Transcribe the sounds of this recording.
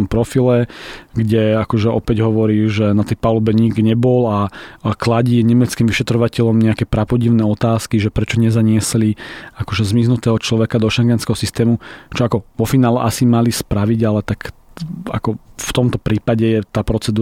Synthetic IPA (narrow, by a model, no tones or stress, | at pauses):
ɔmpɾɔfilɛɡɟɛakɔʒɛɔpɛɟɦɔʋɔɾiːʒɛnat̪ɛjpalubɛɲiɡɡɲɛbɔlaklaɟiːɲɛmɛt͡skiːmʋiʃɛt̪ɾɔʋacɛʎɔmɲɛakɛpɾapɔɟiʊnɛːɔt̪aːskiʒɛpɾɛt͡ʃɔɲɛzaɲɪɛsliakɔʒɛzmiznut̪ɛːɦɔt͡ʃlɔʋɛkad̪ɔʃɛŋɡɛnskɛɦɔsist̪ɛːmut͡ʃɔakɔʋɔfinaːlɛ̰ʔasimalispɾaʋiɟalɛt̪aka̰kɔft̪ɔmt̪ɔpɾiːpaɟɛjɛt̪aːpɾɔt͡sɛd̪uː